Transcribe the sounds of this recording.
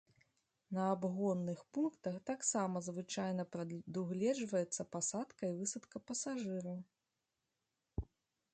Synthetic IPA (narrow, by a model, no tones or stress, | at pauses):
nɐabɣɔnːɨxpunkt̪ɐxt̪aksamɐzvɨt͡ʂajn̪ɐpɾɐd̪uɣlʲɛd͡ʐvɐjɛt̪sːɐpasat̪kɐivɨsɐt̪kɐpɐsaʐɨɾɐw